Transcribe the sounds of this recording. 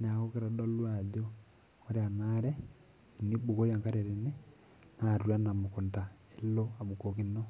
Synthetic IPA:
n˨a˨ko˦ke˦ɾa˨do˦lwa˨ɟo˦ | o˦ɾe˦a˨naɾɛ˦ | i˨ni˦bo˨ko˦ja˨ŋka˦ɾe˨ɾe˨ne˦ | na˨ɾu˨a˦na˨moko˨nta˨ | e˨lo˦a˨βu˨ko˨ki˦no˦

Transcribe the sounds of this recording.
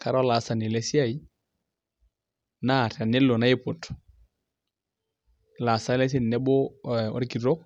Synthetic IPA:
ka˨ɾɔ˦la˨sa˨nɪ˨lɛ˦si˦a˦˨i˦ | na˦˨ta˨nɪ˦lːo˨na˦ɪ˦po˨tɔ̥˨ | la˨sa˦lɛ˦s̬ɪ˦nː˨ɛ˦bɔ˦ɔ̰˦ɾi˦ki˨ɾɔ˦k

